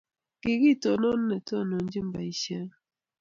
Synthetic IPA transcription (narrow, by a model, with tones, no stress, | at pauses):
ɡ̥ɪ˨ɡi˦˨to˨nɔ˦nːɛ˨tɔ˦˨no˨nd͡ʒi˦mba˨i˨ʃɛ˦